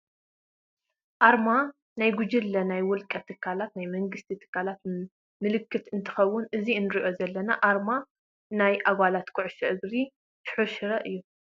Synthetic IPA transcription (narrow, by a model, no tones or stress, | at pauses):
ʔaɾma | najɡud͡ʒɪlːɐnajwʊlkʼɐt̪ʰɨkʰːalat̪najmɐŋɡɨst̪ʰit̪ʰɨ̥kʰːalat̪ | mɨlɨkːɨt̪ɨnt̪ʰɨ̥xɐwːʊnʔɨziɨnɨɾiʔo̞zɐlːɐnaʔaɾma | najʔaɡʷalat̪kʰʊʕʊʃɐʔɨɡɾi | ʃħuʃɨɾɐʔɨjːu